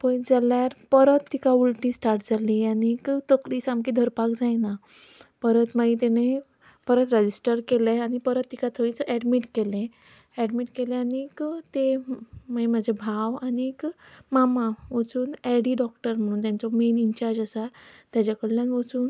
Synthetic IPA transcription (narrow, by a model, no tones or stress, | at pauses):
pə̃d͡zaljaɾpəɾət̪ːikaulʈĩsʈaɾʈd͡zalianikt̪əkliːsamkiːd̪ʱəɾpakd͡zajna | pəɾət̪maĩt̪ene | pəɾət̪ɾəd͡ʑisʈəɾkeleaɽ̃ipəɾət̪ːikat̪ʰəĩt͡səʔɛɖmiʈkelẽ | ɛɖmiʈkelẽanikt̪emimad͡ʑʱebʱaʋanikmamaʋət͡suːnɛɽiːɖɔk̚ʈəɾm̤əɽ̃uːnt̪jant͡sɔmeniɲt͡ɕaɾd͡ʑasat̪jat͡ɕakəɽlaniʋət͡suːn